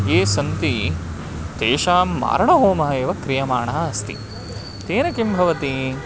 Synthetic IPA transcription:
eːsɐnt̪i | t̪eːʃaːmːa̰ːɾɐɳɐɦoːmɐɦɐeːʋɐkɾijɐmaːɳɐɦɐɐst̪ḭ | t̪eːnɐkimbʱɐʋɐt̪i

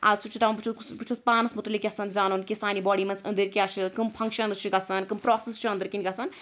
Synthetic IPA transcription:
a̰sʰut͡ʃʰit̪ɐmɐpɨt͡ʃʰuuspɨt͡ʃʰuspaːnɐsmut̪ɨlikʲɐsɐnzaːnoːnkʲisaːnibɔːɽimɐnzɐ̰nd̪ɨɾkʲat͡ʃʰɨkɨmpʰɐŋkʃɐnɾɨt͡ʃʰiɡɐsɐnkɨmpɾɔːsest͡ʃʰiɐnd̪ɨɾkinʲɡɐsɐn

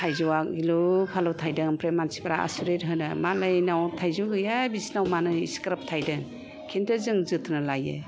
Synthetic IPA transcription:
tʰajzɯwak̚ɡilupʰalɯwtʰajdɯŋpʰɾemːansi̥pʰaɾaa̰suɾet̚ɦɯnɯmalajnawtʰajzuɡɯjabisnawmanɯḭskɾap̚tʰajdɯŋ | kʰintʰɯzɯŋzɯtʰnɯlajɯ̰

